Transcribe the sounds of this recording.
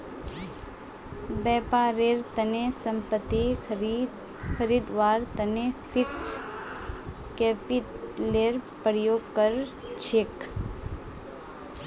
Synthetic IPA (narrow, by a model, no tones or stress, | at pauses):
bɛːpaːɾeɾt̪ənesəmpət̪ːi | kʰəɾiːd̪ʋaːɾt̪ɐnepʰɪks | keːpit̪leɾpəɾjoːɡkəɾ | t͡ʃʰek